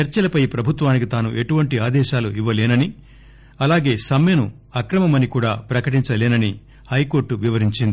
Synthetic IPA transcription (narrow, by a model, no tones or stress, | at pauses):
t͡ʃɐɾt͡ʃɐlɐpɐjpɾɐbʱut̪ʋaːnikit̪aːnuʔe̞ʈuʋɐɳʈiaːd̪ɛːʃaːluiʋːɐleːnɐni | ɐlaːɡe̞ːsɐmjɐnu | ɐkɾɐmɐmɐnikuːɽaːpɾɐkɐʈiɲt͡ʃɐleːnɐni | hɐjko̞ːɾʈuʋiʋɐɾiɲt͡ʃind̪i